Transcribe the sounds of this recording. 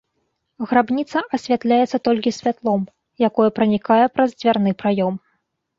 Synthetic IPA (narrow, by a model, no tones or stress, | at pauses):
ɣɾabnʲit̪sɐʔɐsʲvʲat̪lʲajɛt̪sːɐt̪ɔlʲkʲisʲvʲat̪lˠɔm | jakɔjɐpɾɐnʲikajɛpɾɐzd͡zʲvʲarn̪ɨpɾajɔm